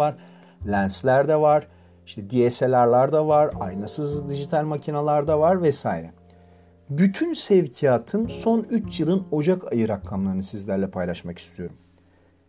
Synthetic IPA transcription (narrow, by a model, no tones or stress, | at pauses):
aɾ̥ | lʲænslʲæɾd̪ɛvaɾ̥ | iʃt̪ʰɛd̪ieselʲaɾlʲˠaɾd̪avaɾa̰jnasɯzd̪iʒit̪ʰalʲmacʰinalˠaɾd̪avaɾvɛsaːiɾɛ | byt̪ʰynsɛvcʰijaːt̪ʰɯnso̞nyt͡ʃʰjɯlˠɯno̞d͡ʒaka̰jɯɾak̪ʰːˠamlˠaɾɯnɯsizlʲæɾlʲɛpʰajlˠaʃmaki̥st̪ʰijo̞ɾum